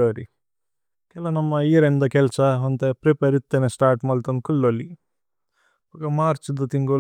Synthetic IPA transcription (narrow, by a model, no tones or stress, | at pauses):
oːɾi | kelɐnɐmːɐiːɾend̪ɐkelt͡ʃaɐnt̪epɾepeɾit̪ːɐnesʈaːɾʈmɐlt̪ɐmkulːolːi | ɐkɐmaːɾt͡ʃud̪ɐt̪iŋɡo